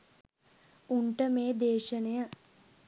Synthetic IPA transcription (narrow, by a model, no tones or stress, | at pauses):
uɳʈəmeːd̪eːʃənejə